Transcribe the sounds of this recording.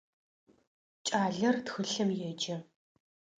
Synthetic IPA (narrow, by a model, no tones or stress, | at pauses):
t͡ʃʼaːɮɐrtxɨɬɐmjɛd͡ʒɐ